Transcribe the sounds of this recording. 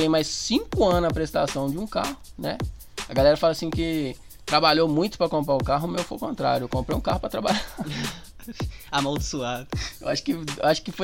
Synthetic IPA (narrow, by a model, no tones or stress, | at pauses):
ẽj̃majssĩkʊɐ̃nɐpɾest̪asɐ̃w̃d͡ʒɪũkahʊnɛ | ɐɡalɛɾɐfalɐsĩkɪ | t̪ɾabaʎowmũj̃t̪ʊ̥pɾɐkõmpɾaʊkaɦʊmewfojkõnt̪ɾa̰ɾjʊewkõmpɾejũkahʊpɾɐt̪ɾabaʎa | amɐ̃w̃d̪ʊsuad̪ewaʃʊ̥kɪewaʃʊ̥kɪfo